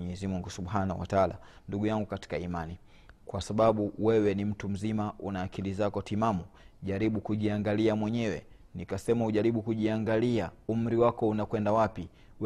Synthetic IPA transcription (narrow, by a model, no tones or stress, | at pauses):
ɲɛzimuŋɡusuɓhana̰wa̰taala̰nduɡujaŋɡukati̥kaimani | kwasaɓaɓuwɛwɛnim̩tum̩zimaʔunaːkilizakɔtimamuʄaɾiɓukuʄiaŋɡaliamwɛɲɛwɛ̰ | nikasɛmauʄaɾiɓukuʄiaŋɡaliaum̩ɾiwakɔunakwɛndawapi | w